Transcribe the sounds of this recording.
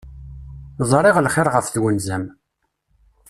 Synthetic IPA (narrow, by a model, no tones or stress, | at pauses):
zˤɾˤeʁlχɪɾˤʁəfθwənzæm